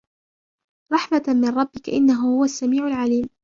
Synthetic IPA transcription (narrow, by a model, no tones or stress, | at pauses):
ɾˤɑħmamɪnˤɾˤɑbːɪkaʔɪ̰nːaɦʊhʊwasːamiːʕʊalʕaliːm